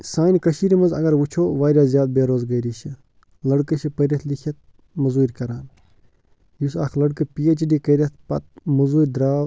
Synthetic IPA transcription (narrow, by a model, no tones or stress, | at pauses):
saːnʲkɐʃiːɾmɐzɐ̰ɡɐɾʋut͡ʃʰoːʋaːɾʲjaːzjaːd̪̚beːɾoːzɡɐɾiʃʰi | lɐɽkɨʃʰipɐɾʲɐt̪ʰlikʰʲjɐt̪̚ | mɐzuːɾʲkɐɾaːn | jusaːkʰlɐɽkɨpiet͡ʃɖiːkɐɾʲɐt̪̚ʰpɐt̪̚mɐzuːɾʲd̪ɾaː